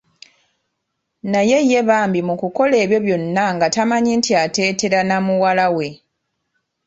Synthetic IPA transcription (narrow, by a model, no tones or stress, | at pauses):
naje̞jːe̞βaːmbimukuko̞le̞ːβjo̞βjo̞nːaŋɡatamaɲintiate̞ːte̞ɾanamuwalawe̞